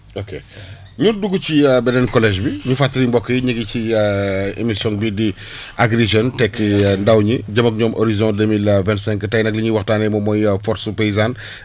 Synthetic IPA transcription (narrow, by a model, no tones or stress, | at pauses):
oke | ɲunduɡut͡ʃibɛdɛnkɔlɛʒbiɲufatːɐɾimbɔkːəjiɲəɡici | ḛmisjɔ̃nbidi | ʔaɡɾeʒɔntɛkːndawɲiɟɐmɐk̚ɲɔːmʔoɾizɔ̃demilvɛ̃ntsɛ̃ŋkːtɐjnɐk̚liɲuwɐxtaːnɛmɔmɔjfɔɾsupeizan